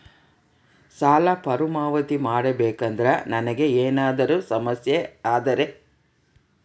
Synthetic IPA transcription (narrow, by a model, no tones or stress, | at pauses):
saːlapɐɾumaːʋɐt̪imaːɽɐbeːkɐnd̪ɾɐnɐnɐɡe̞eːnaːd̪ɐɾusɐmɐsjeaːd̪ɐɾe̞